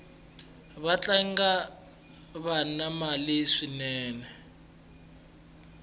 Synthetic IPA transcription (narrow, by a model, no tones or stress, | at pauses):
βat͡ɬʼaŋɡa | βanamaliʂinɛːnɛ